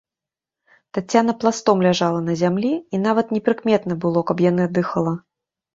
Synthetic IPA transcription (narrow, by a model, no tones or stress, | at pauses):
t̪at͡sʲːanɐplˠast̪ɔmlʲaʐalˠɐnɐzʲamlʲiin̪avɐt̪nʲɛpɾɨkmʲɛt̪nɐbɨlˠɔkɐpjanɨd̪ɨxɐlˠɐ